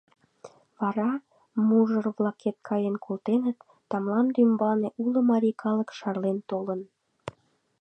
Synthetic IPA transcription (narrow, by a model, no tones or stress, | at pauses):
βɑɾɑ | muʒərβlɑket̪̚kʰɑjenkʰolt̪enət̪ːɑmlɑnd̪ymbɑneʔulə̆mɑɾʲikʰɑləkʃɑrlent̪olən